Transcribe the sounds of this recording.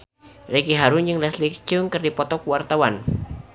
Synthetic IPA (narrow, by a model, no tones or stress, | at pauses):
rekiɦaɾuɲd͡ʒɨŋlɛslik̚t͡ʃʊŋkɨrdipɔt̪ɔkuwart̪awan